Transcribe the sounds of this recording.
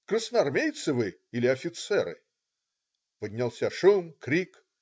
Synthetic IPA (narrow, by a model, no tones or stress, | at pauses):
krəsnəɐrmʲejt̪sɨvɨ | ilʲɪɐfʲɪt̪sɛɾɨ̰ | pədʲnʲalˠsʲaʂumkɾʲik